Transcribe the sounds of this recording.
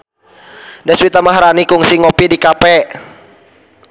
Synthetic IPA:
dɛswit̪amaɦaɾanikuŋsiŋɔpidikapɛ

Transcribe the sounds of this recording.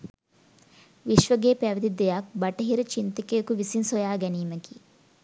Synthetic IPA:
ʋiʃʋəɡeːpæʋɐd̪id̪ejak̚bɐʈɐɦiɾɐt͡ʃint̪ɐkeːkuʋisinsojaːɡɛniːmɐki

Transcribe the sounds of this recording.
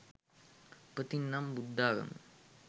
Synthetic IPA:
pɐt̪inːaːmbud̪ːaːɣɐ̰m

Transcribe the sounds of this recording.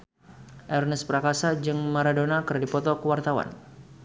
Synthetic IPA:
ʔɛrnəspəɾakasad͡ʒɨŋmaɾadonakərdipɔt̪ɔkəwart̪awa̰n

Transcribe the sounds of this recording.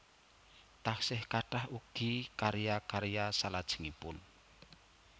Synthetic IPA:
t̪ahsɪhkaɖ̥ahuɡ̥ikaɾijakaɾijasalad̥ʒ̥ə̤̥ŋipʊn

